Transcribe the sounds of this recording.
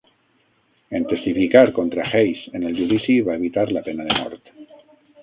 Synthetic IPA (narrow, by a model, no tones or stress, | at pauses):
e̞nt̪e̞st̪ifikaɾkont̪ɾaxejse̞ne̞ld̪ulisiβae̞β̞it̪aɾlape̞nað̞emo̰ɾt̪